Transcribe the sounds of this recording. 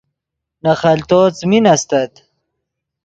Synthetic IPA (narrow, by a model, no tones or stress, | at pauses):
nɐχɐlt̪oːt͡sminɐst̪ɐt̪